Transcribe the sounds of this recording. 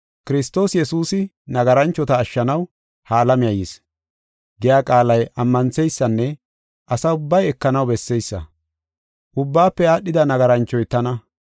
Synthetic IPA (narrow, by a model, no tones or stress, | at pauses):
kɪɾɪst̪o̞ːsjɛsuːsɪ | nɐɡɐɾɐnt͡ʃːɔt̪ɐːʃːɐnɐw | haːlɐmɪjɐjɪs | ɡɛjaːkʼaːlɐjʔɐmːɐnt͡sɛjsːɐnːɛ | ʔɐsɐʊbːɐjɛkːɐnɐwbɛsːɛjsːɐ̰ | ʔʊbːaːpːɛjaːɗːɪd̪ɐnɐɡɐɾɐnt͡ʃːɔjt̪ɐnɐ